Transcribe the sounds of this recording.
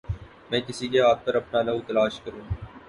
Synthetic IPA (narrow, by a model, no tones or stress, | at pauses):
mɛ̃ːkɪsikeɦaːt̪̚pɐɾɐpnanɐut̪ɐlaːʃkɐɾũː